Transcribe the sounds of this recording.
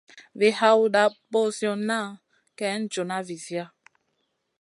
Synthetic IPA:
ve˨ɦa˦u˦ɗa˨˦bo˦˨sjɔ˨na˦˨ | kɛ˦n̩˦d͡ʒo˨na˦vi˨zi˦a˦

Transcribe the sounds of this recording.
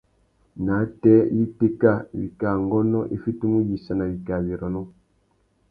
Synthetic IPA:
na˨˦tɛ˦ji˦pe˦ka˦˨bḭ˨ka˨ŋɡɔ˦nɔ˦ʔe˦fi˦tu˦mu˦ji˨sa˨na˨βi˨ka˨βi˨ɾɔ˨nɔ˦

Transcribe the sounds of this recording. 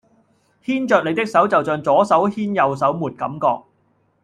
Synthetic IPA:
hiː˥nt͡ʃœː˧k̚le˨˧jt̪ɪ˥k̚sɐ˨˥wt͡sɐ˨wt͡sœː˨˧ŋt͡sɔː˨˥sɐ˨˥whiː˥njɐ˨˧ws̬ɐ˨˥wmuː˨t̚kɐ̰˨˥mkɔː˧k̚

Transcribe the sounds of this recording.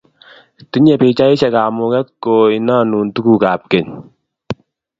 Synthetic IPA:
ti˦ɲɛ˨pɪ˨t͡ʃa˦ɪ˦t͡ʃɛ˨kaː˨mʊ˨kɛ˦t̚ko˨ɪ˨na˦nu˨ntu˦ku˨ka˨p̚kɛ˨ɲ

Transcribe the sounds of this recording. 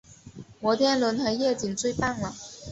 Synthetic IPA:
wɔ˧˥t̪ʰjɛ˥nlwə˧˥nxɤ˧˥ɪjɛ˥˩t͡ɕi˨˩ŋt͡swe˥˧ɪpa˥˩nlə˩

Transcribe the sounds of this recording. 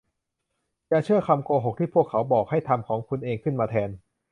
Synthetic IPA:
t͡ɕa˨t͡ɕʰɯ˥˩əkʰa˧mkoː˧ɦo˨˩k̚t̪ʰiː˥˩pʰu˥˩əkʰːa˩˦wbɔː˨˩k̚ha˥˩jt̪ʰa˧mkʰɔː˩˦ŋkʰu˧nʔeː˧ŋkʰɯ˥˩nmaː˧t̪ʰɛː˧n

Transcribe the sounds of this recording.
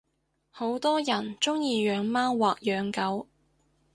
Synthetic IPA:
ho˨˥wt̪ɔː˥jɐ˨˩nt͡sʊ˥ŋjiː˨˧jœː˨˧ŋmaː˥nwaː˨k̚jœː˨˥ŋkɐ˨˧˥w

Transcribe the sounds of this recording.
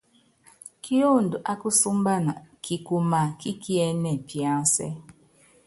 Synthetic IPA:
ki˦o˦˨n̩˨dʊ˨ʔa˦kʊ˦su˦m̩˦ba˦na˨kʰi˨ku˨ma˨ki˦ki˦e˦ne˨pi˨a˦sḛ˦

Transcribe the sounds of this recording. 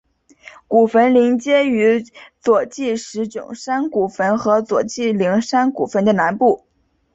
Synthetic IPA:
ku˨˩fə˧˥nli˧˥ŋt͡ɕjɛ˥y˧˥t͡swɔ˨˩t͡ɕi˥˩ʂɻ̩˧˥ʈ͡ʂʊ̰˨˩ŋʂa˥nku˨˩fə˧˥nxɤ˧˥t͡swɔ˨˩t͡ɕi˥˩li˧˥ŋʂa˥nkṵ˨˩fə˧˥nd̪ə˨na˧˥npu˥˩

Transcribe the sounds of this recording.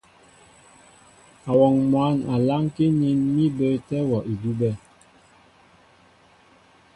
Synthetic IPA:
a˨wɔ˨ŋmwa˨˦na˨la˦ŋke˦ɲi˦nmi˦bə˦tɛ˦wɔ˨ʔi˨du˦bɛ˦˨

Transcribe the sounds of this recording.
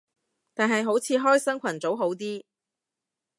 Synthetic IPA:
t̪aː˨nɦɐ˨jɦo˨˥wt͡sʰiː˨˧ɦɔː˥jsɐ˥ŋkʷʰɐ˨˩nt͡so˨˥wɦo˨˥wt̪iː˥

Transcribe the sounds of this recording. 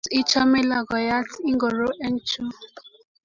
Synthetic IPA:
i˦t͡ʃɔ˦me˦la˨ɡɔ˨ja˦ti˦ŋ˦ɡo˨ɾo˦ʔɛ˦n̩˦t͡ʃu˦

